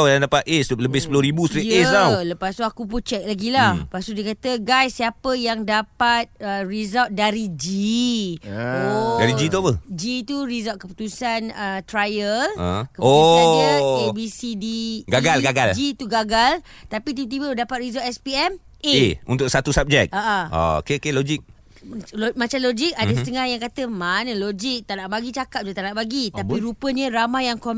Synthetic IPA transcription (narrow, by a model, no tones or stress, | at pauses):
wjaŋdapat̪̚est̪up̚ləbɪhsə̥ploɾibusəɾiesawləpast̪uakup̬ut͡ʃɛk̚laɡilapast̪udikat̪əɡajsːiapəjaŋdapat̪̚ərizat̪̚daɾid͡ʒi | odaɾid͡ʒit̪uapəd͡ʒit̪uɾizɔt̪̚kəput̪usanət̪ɾajələ̃kəpoanebisidiɡaɡalɡaɡald͡ʒit̪uɡaɡalt̪apit̪̬ibət̪̬ibədapat̪̚rizɔʔɛspiɛm | eeunt̪ʊk̚sat̪usap̚d͡ʒɛk̚aʔaa̰o̰keokelod͡ʒik̚ | lomãt͡ʃamlod͡ʒik̚adəsət̪əŋahjaŋkat̪əmanəlod͡ʒik̚t̪aʔnaʔbaɡit͡ʃakap̚d͡ʒut̪aʔnaʔbaɡit̪apiɾupəɲəɾamajaŋko